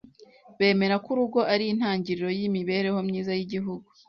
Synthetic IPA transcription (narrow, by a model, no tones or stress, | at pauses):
βe̞ːme̞ɾakuɾuɡo̞ʔaɾiːn̥haːɲɟiɾiɾo̞jimiβe̞ːɾe̞ho̞mɲiːzajiɟiɦuɡu